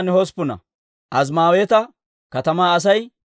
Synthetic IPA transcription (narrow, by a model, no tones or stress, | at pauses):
nɪhɔspʊnɐ̰ | ʔɐs̬maːwet̪ɐ | kɐt̪ɐmaːɐs̬ɐj